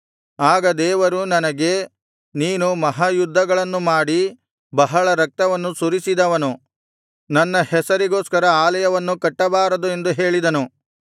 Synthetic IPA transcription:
aːɡɐd̪ɛːʋɐɾunɐnɐɡe̞ | niːnumɐɦaːjud̪ʱːɐɡɐɭɐnːumaːɽi | bɐɦɐɭɐɾɐk̚t̪ɐʋɐnːusuɾisid̪ɐʋɐnu | nɐnːɐhɛsɐɾiɡo̞ːskɐɾɐaːlɐjɐʋɐnːukɐʈːɐbaːɾɐd̪ue̞nd̪uɦe̞ːɭid̪ɐnu

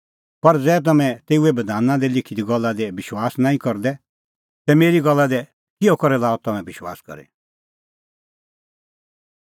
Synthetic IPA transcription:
pɐɾd͡zɛːt̪̬ɐmɛ̃t̪eːuɛbɐd̪ʱaːnãd̪ɛlɪkʰid̪iɡɔlːad̪ɛbɪʃwaːsnãːĩkɔɾd̪ɛ | t̪ɛmeːɾiɡɔlːad̪ɛ | kɪɔkɔɾɛlaːɔt̪ɐmɛ̃bɪʃwa̰ːskɔ̰ɾɛ̰

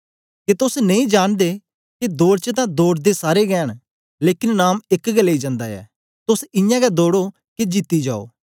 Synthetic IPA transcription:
ket̪ʊsnɐĩːd͡ʒaːɽ̃d̪eː | ked̪oːɾt͡ʃət̪ãːd̪oːɽd̪esaːɾeɡɛːɽ̃ | leːkɪnnaːmɪkɡəlːeiːd͡ʒãːnd̪aːɛ̰ː | t̪ʊsɪ̃jãːɡɛd̪oːɽo | ked͡ʒit̪ːid͡ʒaːo̰ː

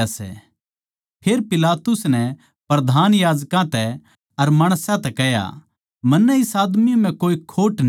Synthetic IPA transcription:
asɛ̰ | pʰeːɾpɪlaːt̪ʊsnɛ | pɾɐd̪ʱaːnjaːd͡ʒkãt̪ɛ | ɐɾmaːɽ̃sãt̪ɛkɛɦja̰ | mɐnːɛɪsaːd̪mim̤ɛ̃koːikʰoːʈn

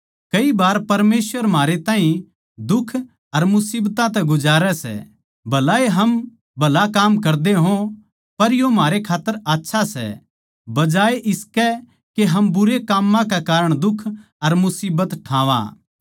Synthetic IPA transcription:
kɐibaːɾpɐɾmeːsʋəɾmaːɾet̪ãːɦĩ | d̪ʊkʰ | ɐɾmʊsiːbt̪ãt̪̬ɛɡʊd͡ʒaːɾɛsɛ̰ | bʱɐlaːeɦɐm | bʱɐlakaːmkɐɾd̪eɦõ | pɐɾjomaːɾekʰaːt̪ːəɾaːtːʃʰasɛ̰ | bɐd͡ʒaːeʔɪskɛ | keɦɐmbʊɾekaːmːãkekaːɾəɽ̃d̪ʊkʰ | ɐɾmʊsiːbət̪ʈʰãːʋa̰

